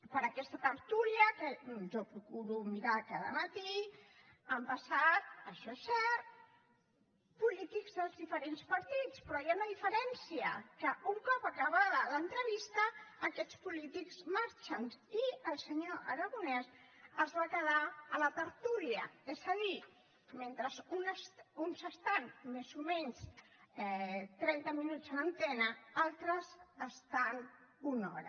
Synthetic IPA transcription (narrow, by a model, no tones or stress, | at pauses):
pəɾəkɛst̪ət̪əɾt̪uljəkəʒɔpɾukuɾumiɾakaðə̰mət̪i | əmpəsat̪̚əʃɔɛsɛrt̪̚ | pulit̪ikzðəlˠzðifəɾenspəɾt̪it͡spɾɔjaunəðifəɾɛnsiə̰kəuŋkɔpəkəβaðələnt̪ɾəβist̪əːkɛt͡spulit̪ikzmaɾt͡ʃəniəlˠsəɲoʔəɾəɣunɛsəzβakəðaələt̪əɾt̪uliəɛzəði | ment̪ɾəzunsunsəst̪anmezumɛɲsɛt̪ɾɛnt̪əminut͡sənənt̪ɛnəalˠt̪ɾəsəst̪anunɔ̰ɾə̰